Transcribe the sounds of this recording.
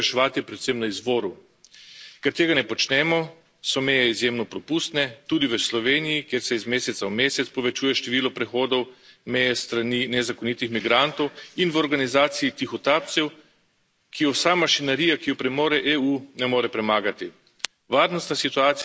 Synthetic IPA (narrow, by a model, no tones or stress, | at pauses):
ʃɛʋaːt̪ipɾɛt̪semnaizʋoːɾu | kɛɾt̪eːɡanɛpɔt͡ʃnɛːmɔ | sɔmɛːjɛizjemnɔpɾɔpuːst̪nɛt̪uːd̪iʋəslɔʋeːnijikjeːɾsɛizmeːsɛt̪sawmeːsɛt̪spɔʋɛt͡ʃuːjɛʃt̪ɛʋiːlɔpɾɛxoːd̪ɔwmɛjɛst̪ɾaninɛzakɔnit̪ixmiɡɾant̪ɔwinʋɔɾɡanizaːt̪siit̪ixɔt̪aːp̚t̪sɛw | kijɔsamaʃinaɾiːjakijɔpɾɛmoːɾɛʔeunɛmoːɾɛpɾɛmaːɡat̪i | ʋaːɾnɔst̪nasit̪uaːt̪s